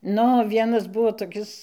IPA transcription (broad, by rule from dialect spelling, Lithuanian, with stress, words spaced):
ˈnʊ oː ˈʋʲiɛnɐs ˈbuɔ toːˈkʲɪs